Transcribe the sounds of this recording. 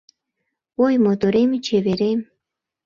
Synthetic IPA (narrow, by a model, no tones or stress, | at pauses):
ojmot̪oɾemt͡ɕeβeɾem